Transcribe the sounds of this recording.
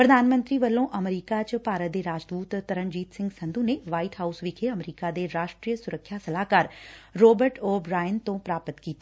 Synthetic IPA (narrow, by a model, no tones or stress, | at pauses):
pɾəd̪ʱaːnmə̃nt̪ɾiːʋəlːõːʔəmɾiːkat͡ʃpaːɾət̪̚d̪eːɾaːd͡ʒd̪uːt̪ːəɾəɳd͡ʒiːt̪sɪ̃ŋɡsə̃nd̪ũːneʋaːiʈ̪ɦaːusʋikʰeəmɾiːkad̪eːɾaːʃʈɾijəsʊɾəkʰjasəlaːkaːɾɾoːbəɾʈoːbɾaːjənt̪õːpɾaːpət̪kiːt̪a